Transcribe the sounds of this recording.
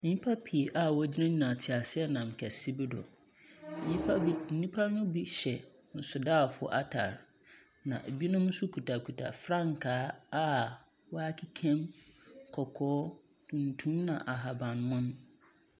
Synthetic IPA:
mĩ˨ɲĩ˦pʰa˦pʰi˨e˨ʔa˦wɔ˦d͡ʑɪ˦nã˦ɲĩ˨nã˨tʰɪ˨a˨sɪ˦ɛ˦nã˨m˨kʰɛ˨si˦bi˦dɔ̰˨ | ɲĩ˦n̩˨nĩ˦pʰa˦nʊ̃˦bi˦ɕɛ˨ | n̩˦sʊ˨daː˦˨fʊ˦˨ɔ̰˦ʔa˦tʰa̰˨ɾ | nã̰˨ʔbi˦nʊ̃˦m̩˦sʊ˦kʰu˨ta˨kʰu˨tʰa̰˨fɾã˦˨ŋ˨kʰaː˨˦a˦ | wɔ˦a˦kʰi˦kʰɛ̃˦mkʰɔ˨kʰɔː˦ | tʰũ˨n˨tʰũ˦nã˨ʔa˨ɦa˨bã˨nmʊ̃˦n˦

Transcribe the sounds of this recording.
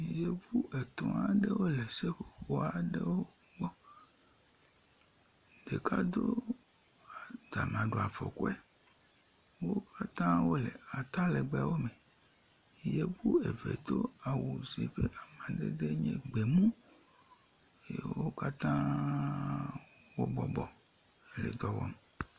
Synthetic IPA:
je˦bu˦ʔe˨t̪ɔ̃˨a˨ɖe˦wo˦le˨se˦ɸo˨ɸo˨a˨ɖe˦wo˦ | ɡ͡bɔ˦ | d̪e˨ka˦d̪o˦ | a˨d̪a˨mã˨ɖo˨a˨vɔ̰˨ko˦ɛ˦ | wo˦ka˦t̪ã˦wo˦le˨a˨t̪a˦le˨ɡ͡bɛ˨wo˦mẽ˨ | je˦bu˦e˨vḛ˨t̪o˦a˨wo˨si˨ɸe˦ʔa˨mã˨d̪ḛ˦d̪e˦ɲɛ̃˦ɡ͡be˨mũ˦ | jḛ˨wo˦ka˦t̪ã˦ | wo˦bɔ˨bɔ˨ | lḛ˨d̪ɔ˦wɔ˦me˨

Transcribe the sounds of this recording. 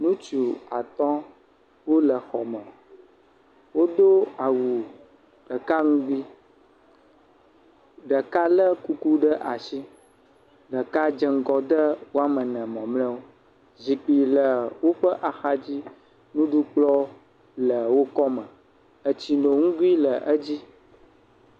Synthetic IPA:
nũ˦t͡ʃu˨a˨t̪ɔ̃˦ | wo˦lə˨xɔ˨mə̃˨ | wo˦d̪o˦a˨wu˨ | ɖ̥ə˨ka˦ŋũ˦ɡ͡bi˦ | ɖə˨ka˦lə˦ku˦ku˦ɖə˦ʔa˨si˦ | ɖə˨ka˦d͡ʒə˨ŋ̩˦ɡɔ˨d̪ə˦wo˦a˦mə˨nɛ̃˨mɔ̃˨mlɛ̃˦wo˦ | zi˨k͡pi˨lə˨wo˦ɸə˦ʔa˨xa˦d͡ʑi˦ | nũ˦ɖu˦k͡plɔ˦ | lə˨wo˦kɔ˦mə̃˨ | ə˨t͡ɕi˨nõ˨ŋũ˦ɡu˦i˦lə˨ʔə˦d͡ʑi˦

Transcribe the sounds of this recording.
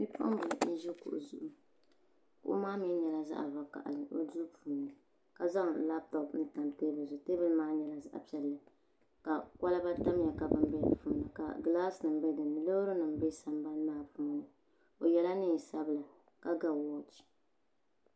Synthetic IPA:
ni˦pʰʊ̰˦ʔʊ̰˦m˦bɨ˨ln̩˦ʒi˦kʊ̰˨ʔʊ̰˨zu˨ʔʊ˨ | kʊ̰˨ʔʊ̰˦maː˦mɛ˦ɲɛ˨la˦za̰˦ʔa̰˨va˨ka̰˨ʔa̰˨lɨ˨o̰˦duː˦pʰu˨nɨ˨ | ka˨za˦ŋ˨la˦p̚tɔ˨pn̩˦ta˨mteː˦bɨ˨zʊ˨teː˦bɨ˦lmaː˦ɲɛ˨la˦za̰˦ʔa̰˨pi˨ɛ˨lːɨ˨ | ka˨ka˦la˦ba˦ta˦m˦ja˨ka˨bɨ˦mbɛ˦lɨ̰˨pu˦m˦nɨ˨ka̰˨ɡlaː˦snɨ˨m˦bɛ˦dɨ˨nɨ˨lo˦ɾɨ˦nɨ˨m˦be˦sa˨mba˦n˦maː˦pu˦m˦nɨ˨ | o˨jɛ˦la˦nɨ˦˨sa˦bɨ˦la˨ | ka˦ɡa˨wɔ˦t͡ʃi̥˨

